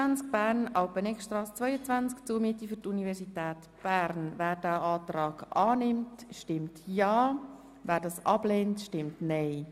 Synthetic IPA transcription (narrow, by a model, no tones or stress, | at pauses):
ænt͡sk̚b̥æːɾnʔɑʊpənɛkʃtrɑːst͡sʋœʏət͡sʋænt͡skt͡suːəmiətifʏɾtunivɛɾsitɛːt | b̥æːɾnvæːɾd̥æːɑːtrɑːɡʔɑːnɪmtʃtɪmtjɑː | væːɾdɑsʔɑb̥leːntʃtɪmtneɪ